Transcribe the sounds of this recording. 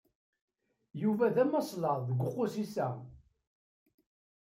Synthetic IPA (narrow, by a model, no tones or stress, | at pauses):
juvæðæmɑsˤlɑʁˤðəɡʷʊqːʊsisæ